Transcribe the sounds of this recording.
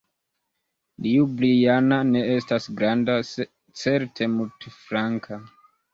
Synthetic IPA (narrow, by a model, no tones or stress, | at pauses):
liublijanane̞e̞stasɡɾanda | t͡se̞ɾtʰe̞multefɾaŋkʰa